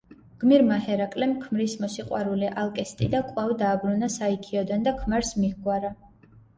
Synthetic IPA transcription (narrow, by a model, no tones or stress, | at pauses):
ɡ̥miɾmahɛɾakʼlɛmkʰmɾismɔsiqʼwaɾuliʔalˠkʼɛst̪ʼḭd̪akʼwavd̪aːbɾunasaikʰiɔd̪and̪akʰmaɾsmihɡwaɾa